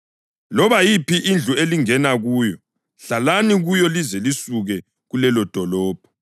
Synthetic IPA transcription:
lɔβajipiʔind͡ɮʱueliŋɛnaɣuːjɔ | ɬalaniɣujɔlizɛlisuɣɛ | ɣulɛlɔd̥ʱɔlɔːb̥ʱɔ̥

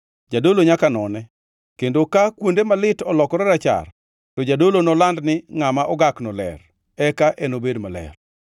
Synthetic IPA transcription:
d͡ʒadoloɲakanɔnɛ | kendokakwondemalɪtɔlɔkɔɾɛɾat͡ʃa̰r | tɔd͡ʒadolonɔlandnɪŋamaʔɔɡaknɔlɛ̰r | ɛkaʔɛnobedmalɛ̰r

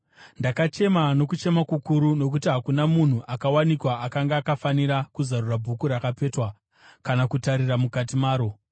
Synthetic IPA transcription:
ndakat͡ʃe̞mano̞kut͡ʃe̞makukuɾuno̞k̬utiɦakunamun̤uʔakawanikwaʔakaŋɡaːkafaniɾakuzarurabʱukuɾakape̞twa | kanakutaɾiramukatimaːɾo̞

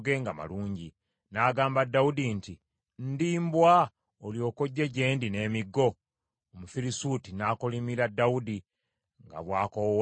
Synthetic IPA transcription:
ɡeŋɡama̰luːɲɟi | naːɡaːmbadːawudinti | n̩diːmbwa | oljo̞koɟːeɟe̞ːndine̞ːmiɡːo̞ | omufiɾisuːtinaːkolimiɾadːawudi | ŋɡa̰βwaːkow

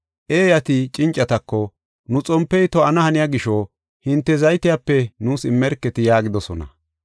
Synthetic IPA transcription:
ʔeːjɐt̪ɪt͡ʃʼɪnt͡ʃʼːɐt̪ɐkːɔ | nʊt͡sʼɔmpːɛjt̪ɔɐnɐhɐnɪjaɡɪʃo | hɪnt̪ːɛzɐjt̪ɪjapːɛnuːsɪmːɛɾkːɛt̪ɪjaːɡɪd̪ɔsɔnɐ̰

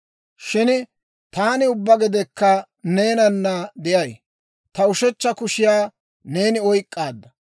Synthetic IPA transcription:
ʃɪn | t̪aːnɪʊbːɐɡɪd̪ɛkːɐ | neːnɐnːɐd̪ɪjɐj | t̪ɐʊʃɛt͡ʃːɐkʊʃɪjaː | ne̞ːnɪɔjkʼːaːd̪ːɐ

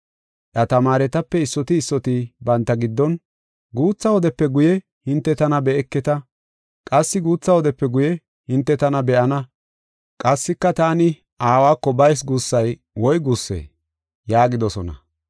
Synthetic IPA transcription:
ʔɐt̪ɐmaːɾɛt̪ɐpːɛɪsːɔt̪ɪːsːɔt̪ɪbɐnt̪ːɐɡɪd̪ːɔn | ɡuːt͡sːɐwɔd̪ɛpːɛɡʊjɛ | hɪnt̪ːɛt̪ɐnɐbɛɛkːɛt̪ɐ | kʼɐsːɪɡuːt͡sːɐwɔd̪ɛpːɛɡʊjɛ | hɪnt̪ːɛt̪ɐnɐbɛʔɐnɐ | kʼɐsːɪkːɐt̪aːnɪ | ʔaːwaːkːɔbɐjs̬ɡusːɐj | wɔjɡusːḛː | jaːɡɪd̪ɔsɔnɐ̰

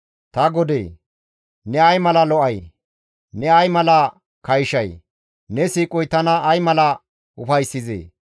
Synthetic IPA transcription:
t̪ɐɡɔd̪ḛː | nɛɐjmɐlɐlɔʔɐj | nɛɐjmɐlɐ | kɐjʃɐj | nɛsiːkʼɔjt̪ɐnɐːjmɐlɐ | ʊfɐjsːɪzḛː

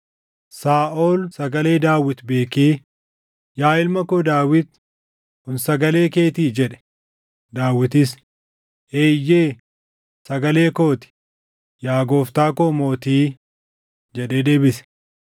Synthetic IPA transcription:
saːʔoːlsɐɡɐle̞ːd̪aːwɪt̪be̞ːkeː | jaːɪlmɐkoːd̪aːwɪt̪ | hʊnsɐɡɐle̞ːke̞ːt̪iːd͡ʒɛᶑɛ̥ | d̪aːwɪt̪ɪs | ʔeːɪjːeː | sɐɡɐle̞ːkoːt̪ɪ̥ | jaːɡo̞ːft̪aːkoːmo̞ːt̪iː | d͡ʒɛᶑeːd̪e̞ːbɪsɛ̥

